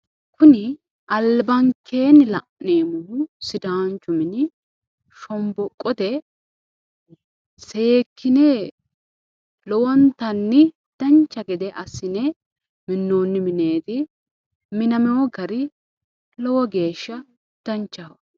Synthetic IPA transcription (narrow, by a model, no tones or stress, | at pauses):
kʊnɪ | ʔɐlbɐŋkʰːe̞ːnɪlɐʔneːmʊnʊsɪd̪aːnt͡ʃʼʊmɪnɪ | ʃɔmbɔkʼːɔd̪ɛ | se̞ːkʰːɪne | lɔwɔnt̪ɐnːɪ | d̪̥ɐnt͡ʃːɐɡɛd̪ɛʔɐsːɪnɛ | mɪnːoːnːɪmɪneːt̪ɪ | mɪnɐmɛwɔɡɐɾɪ | lɔwɔɡe̞ːʃːɐ | d̪̥ɐnt͡ʃːɐɐ